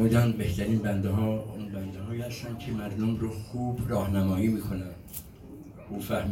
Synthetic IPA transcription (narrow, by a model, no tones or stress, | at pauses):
uːd̪ænbeht̪ʰæɾiːnbænd̪eɦɒːunbænd̪eɦɒːihæst̪ænd̪cʰemæɾd̪omɾoxuːbrɒːhnæmɒːjiːmiːkʰonænd̪̥ | ʔuːfæhm